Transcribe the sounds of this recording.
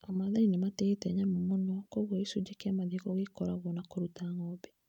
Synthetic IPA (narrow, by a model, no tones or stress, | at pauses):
amaðainematɛtɛɲamomonɔkoɣɔisud͡ʒekeamaðekɔɣekɔɾaɣɔnakoɾutaŋɔbɛ